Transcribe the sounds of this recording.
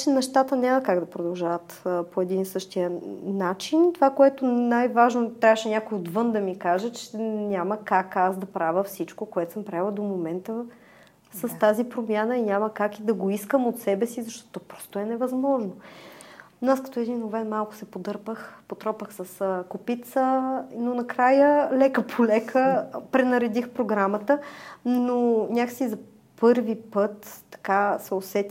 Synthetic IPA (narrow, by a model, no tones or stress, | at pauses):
t͡ʃɛnɛʃt̪at̪ənʲamɐkaɡd̪ɐpɾod̪ɐlˠʒavət̪poɛd̪insɤʃt̪iənat͡ʃint̪ovakoɛt̪onajvaʒnot̪ɾʲavəʃɛnʲakojod̪vɤnd̪ɐmikaʒət͡ʃɛnʲaməkakasd̪ɐpɾavʲəfsit͡ʃkokoɛt̪o̥səmpɾavilˠɐd̪omomɛnt̪ə | səst̪azipɾomjanəinʲaməkakid̪ɐɡoiskəmot̪sɛbɛsizɐʃt̪ɔt̪t̪ːɔpɾɔ̥st̪ʊɛnɛvɐzmɔʒno | noaskɐ̥t̪oɛd̪inovɛnmalˠkʊ̥sɛpod̪ɤɾpəxpot̪ɾɔpəxsəskopit̪sənonɐkɾajəlɛkəpʰolɛkʰəpɾɛnɐɾɛd̪ixpɾoɡɾamət̪ənonʲaksizɐ | pɤɾvipɤt̪ːɐ̥kasɛosɛt̪